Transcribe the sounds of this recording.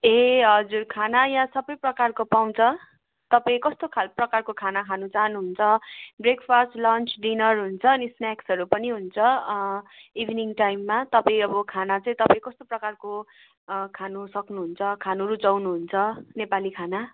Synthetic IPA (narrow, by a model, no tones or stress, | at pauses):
eɦʌd͡zurkʰanajãsʌbʌjprʌkarkopaw̃t͡sʰʌ | t̪ʌpaĩkʌst̪okʰalprʌkarkokʰanakʰanut͡saɦnuɦunt͡sʰʌbrekʰpʰʌsʈlʌnt͡sɖinʌrɦunt͡sʰʌːnisnaksʌɾupʌniɦunt͡sʰʌ | ibʱniŋʈajmːat̪ʌpaĩʌbʌkʰanat͡sʌĩt̪ʌpaĩkʌst̪oprʌkarko | kʰanusʌknuɦunt͡sʰʌkʰanoɾud͡zʌwnuɦunt͡sʰʌnepalikʰana